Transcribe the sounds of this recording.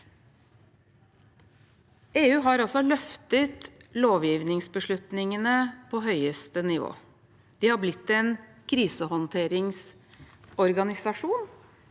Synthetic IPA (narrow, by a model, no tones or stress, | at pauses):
eːʉːɦɑɾɔsɔlœft̪ət̪loːʋjiːʋnɪŋsbəʂɭʉt̪nɪŋənəpʰɔːɦœʏəst̪ənɪʋo̰ː | d̪̥ɪːhɑblɪt̪ːɛnkʰɾiːsəhɔnt̪ʰeːɾɪŋs | ɔɾɡɑnɪsɑʂuːn